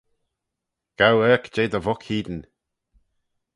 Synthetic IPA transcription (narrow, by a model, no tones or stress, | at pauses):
ɡ̥awɛːkd͡ʒeːd̪əvɔkʰhiːd̪ən